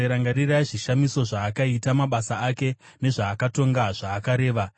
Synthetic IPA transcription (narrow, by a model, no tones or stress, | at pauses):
ɾaŋɡaɾiraiʐiʃamiso̞ʐaːkaitamaɓasaake̞ | ne̞ʐaːkato̞ŋɡaʐaːkaɾe̞ːʋa